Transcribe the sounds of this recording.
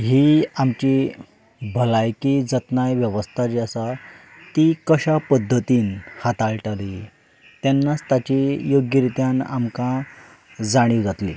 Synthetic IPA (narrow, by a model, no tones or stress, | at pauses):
ɦiːamt͡ɕi | bʱəlajkid͡zət̪najʋjəʋəst̪ʰat͡ɕiasa | t̪ikəɕapəd̪ʱːət̪iːnhat̪aɭʈaɾi | t̪janːat͡st̪at͡ɕijoɡjəɾit̪jãna̰mkã | d͡zaɽ̃iːɡʱat̪lḭ